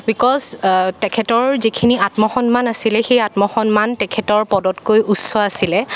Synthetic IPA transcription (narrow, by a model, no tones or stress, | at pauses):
bikɔztɛkʰɛtɔɹzikʰiniatmɔxɔnmanasilɛxejatmɔxɔnmantɛkʰɛtɔɹpɔdɔtkojʔusɔasilɛ